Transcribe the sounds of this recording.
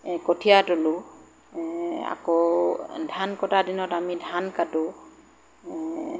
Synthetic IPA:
kotʰijatolʊ | a̰kɔdʱankɔtadinɔtamidʱankadʊ

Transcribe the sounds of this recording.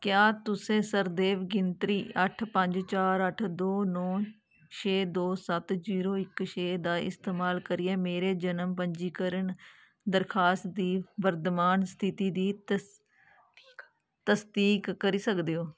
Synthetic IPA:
kjaːt̪ʊsẽːsəɾd̪eːʋɡɪnt̪ɾiːəʈʰpəɲd͡ʒt͡ʃaːɾəʈʰd̪oːnɔ̃ː | t͡ʃʰeːd̪oːsət̪ziːɾoːɪkʃeːd̪aːɪ̰st̪eːmaːlkəɾiːɛːmeːɾeːd͡ʒənəmpəɲd͡ʒiːkəɾəɳ | d̪əɾkʰaːst̪d̪iːbəɾd̪maːnst̪ʰɪt̪iːd̪iː | t̪əsd̪iːkːəɾiːsəkd̪eːoː

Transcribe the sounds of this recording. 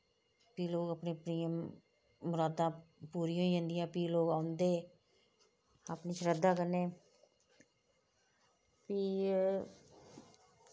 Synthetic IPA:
piːloːɡəpnẽːpɾiːə̃m | mʊɾaːd̪ãːpuːɾijõːĩɦə̃ːnd̪ijãːpiːloːɡaːʊnd̪eː | aːpniːt͡ʃɾəd̪ãːkəɾneː | piː

